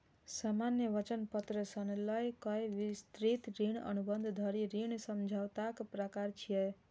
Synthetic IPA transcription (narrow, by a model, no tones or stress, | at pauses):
samanjəʋət͡ʃənpət̪ɾəsənləjkɔjʋist̪ɾit̪ɾiɳə̰nubənd̪ʱd̪ʱəɾiɾiɳ̃səmd͡ʒʱawt̪akpɾəkaɾt͡ʃʰijɛ